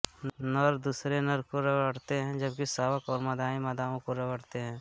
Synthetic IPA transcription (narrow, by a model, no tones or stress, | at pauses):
nɐɾd̪uːsɾenəɾkoɾɐʋəɽt̪eɦɛ̃d͡ʒɐb̚kisaːwəkɔːɾmɐd̪aːĩmɐd̪aːõkoɾɐʋəɽt̪eɦɛ̃ː